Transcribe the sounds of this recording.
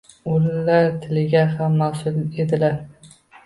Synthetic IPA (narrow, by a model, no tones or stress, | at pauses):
ʊlːaɾt̪ʰɪlɪɡʲahamːasʊlˠed̪ɪlaɾ